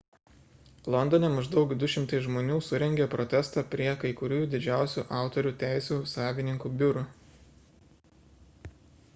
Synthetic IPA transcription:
lˠɔnd̪ɔnʲɛmɐʒd̪ɒʊkd̪ʊʃʲɪmt̪ɐɪsʒmoːnʲuːsʊɾʲɛŋʲɡʲepɾɔt̪ʲɛst̪ɑːpʲɾʲiɛkɐɪkʊɾʲuːd̪ʲɪd͡ʒʲæˑʊsʲṵːʔɑˑʊt̪ɔɾʲuːt̪ʲæˑɪsʲuːsɑːʋʲɪnʲɪŋkuːbʲʊɾu

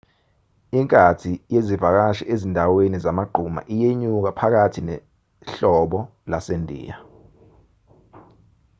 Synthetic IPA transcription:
iŋkʼatʰijezivak̬aʃɛ̰ʔezindʱawenizamaɡ͡ǃʱuma̰ʔijeɲuk̬apʰak̬atʰinɛ | ɬɔɓɔ | lasendʱḭːa

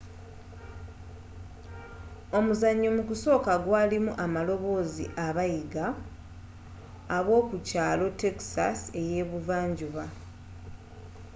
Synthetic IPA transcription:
o̞muzaɲːomukuso̞ːkaɡwaːlimuʔamalo̞βo̞ːzḭʔaβajiɡa | βwo̞ːkucaːlo̞te̞ksa̰se̞je̞ːβuvaːɲɟuβa

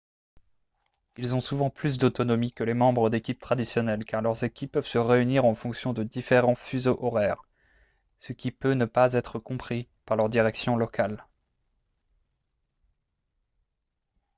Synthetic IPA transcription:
ilzɔ̃suvɑ̃plys̬d̪ot̪ɔnɔmikəlemɑ̃bʁəd̪ekʲip̚t̪χad̪isjɔnɛlkaʁlœʁzekʲipːœvsəʁeyniʁɑ̃fɔ̃ksjɔ̃d̪əd̪ifeʁɑ̃fyzoʔɔʁɛːʁ | səkʲipønəpazɛt̪χəkɔ̃pχipaʁlœʁd̪iʁɛksjɔ̃lɔkal

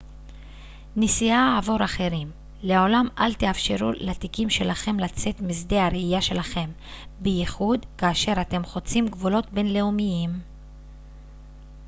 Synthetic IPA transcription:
nisiaavo̞ɾaχe̞ʁim | leo̞lamalt̪eafʃe̞ʁulat̪ikimʃe̞laχe̞mlat͡se̞t̪mizd̪e̞haɾeijaʃe̞laχe̞m | bejiχud̪kaːʃe̞ʁat̪e̞mχo̞t͡simɡvulo̞t̪be̞nle̞umijim

